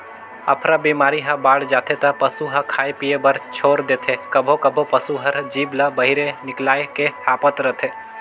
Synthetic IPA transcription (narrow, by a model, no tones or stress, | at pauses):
ɐ̰pʰɾabiːmaːɾiɦɐ̃baːɽd͡ʒaːt̪ʰet̪ɐpɐsuɦɐkʰaːepiebɐɾt͡ʃʰoːɾd̪eːt̪ʰekɐbʱokɐbʱopɐsuɦɐɾd͡ʒiːblabɐɦiɾenɪklaːekeaːpət̪ɾɐt̪ʰeː